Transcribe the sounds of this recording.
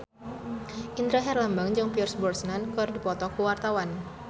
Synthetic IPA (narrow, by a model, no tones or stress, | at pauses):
ʔind̪ɾaɦɛrlambaŋd͡ʒaŋpiɔrsbɔrsnankɔrdipɔt̪ɔkəwart̪awan